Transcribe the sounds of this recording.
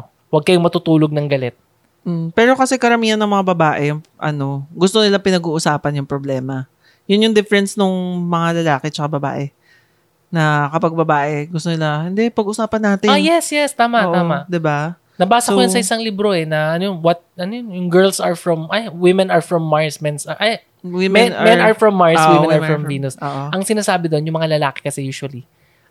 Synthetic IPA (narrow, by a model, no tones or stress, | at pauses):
wɐɡ̚kɐjʊŋmɐt̪ʊt̪uːloɡ̚nɐŋɡɐlɛt̪̚ | m̩pɛːɾo̞kɐsɛkɐɾɐmiːhɐnːɐŋmɐŋabɐbaːʔɛʔɐ̰no̞ɡʊst̪onɪlapɪnɐɡuːʔʊsaːpɐnjʊŋpɾoblɛːmɐ | jʊnjʊŋd̪ɪfɛɾɛnsnoŋmɐŋalɐlaːkɛt͡ʃɐkɐbɐba̰ːʔɛ | nɐkɐpɐɡ̚bɐbaːʔɛɡʊst̪onɪlahɪnd̪ɛpɐɡʔʊsaːpɐnːaːt̪ɪjɛsjɛst̪aːmaʔːʔ̪aːmɐʔd̪ɪba | nɐbaːsɐoʊjʊnsɐʔɪsɐŋlɪbɾo̞ɛnɐɐnojonwɐt̪̚ʔɐnojonjʊŋɡɛɹlsɐɹfɹɔmʔɐjwɪmɛnɐɹfɹɔmːaɹsmɛnsɐʔɐj | wɪmɛnmɛnɐɹfɹɔmːaɹswɪɛ̃nɐɹmɹɐmviːnʊsoːʔoʔɐŋsɪnaːsaːbɪd̪onjʊŋmɐŋalɐlaːkɪ̥kɐsɛjuːʃʊwɐli